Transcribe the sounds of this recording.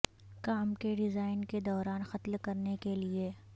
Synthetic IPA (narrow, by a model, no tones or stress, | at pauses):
kaːmkeɖɪzaːɪnked̪ɔːɾaːnxɐt̪lkɐɾnekelie